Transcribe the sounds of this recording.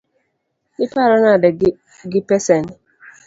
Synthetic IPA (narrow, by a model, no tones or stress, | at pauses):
ɪpaɾɔnadɪ | ɡɪpesen